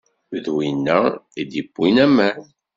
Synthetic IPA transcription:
ðwinːæid̪ibːinæmæn

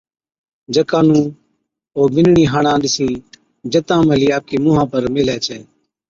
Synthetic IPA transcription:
d͡ʒəkãːnũː | oːʋɪnɳĩːɦaːɳãːɗɪsĩː | d͡ʒət̪ãːməliːaːp̚keːmʊːɦãːpəɾmɪlɛːt͡ʃʰɛː

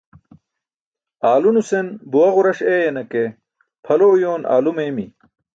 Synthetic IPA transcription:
aːlunusenbuwɐʁuɾɐɕejɐnɐke | pʰɐloːjoːna̰ːlumeːmi

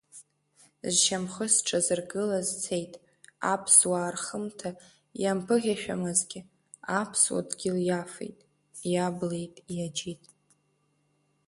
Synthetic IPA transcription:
zʃamχəsʈ͡ʂʰazɨrɡɨlazt͡sʰe̞jtʼ | a̰pʰswaːrχəmtʰa | jampʰɨʁʲaʃᶣamɨzɡʲɪ | apʰswa̰dɡʲɪljafḛjtʼ | jable̞jtʼjad͡ʒitʼ

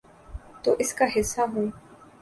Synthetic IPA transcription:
t̪oːʔɪskaɦɪsːaɦõː

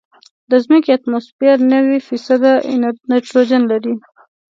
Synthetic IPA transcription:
d̪əzməkiat̪mospaɾnəwifisad̪a̰neʈɾod͡ʒanlaɾi

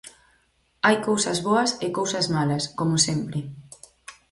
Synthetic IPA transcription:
ajkowsɐzβoɐsɪkowsɐzmalɐskomʊsempɾɪ

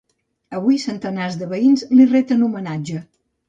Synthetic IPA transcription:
əβuijsənt̪ənazðəβəinzliret̪ənumənad͡ʒə

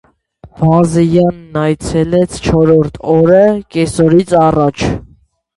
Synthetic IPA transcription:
vɑzɛjɑnːɑjt͡sʰɛlɛt͡sʰt͡ʃʰɔɾɔɾt̪ʰɔɾəkɛsɔɾit͡sʰɑrɑt͡ʃʰ

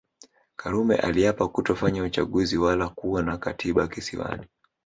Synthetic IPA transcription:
kʰaɾumɛ̰ʔaliapakutɔfaɲaut͡ʃaɠuziwalakuwanakatʰiɓakisḭwa̰ni

